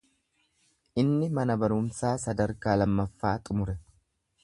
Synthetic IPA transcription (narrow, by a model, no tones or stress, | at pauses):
ʔɪnːɪmɐnɐbɐɾʊmsaːsɐd̪ɐɾkaːlɐmːɐfːaːt̪ʼʊmʊɾɛ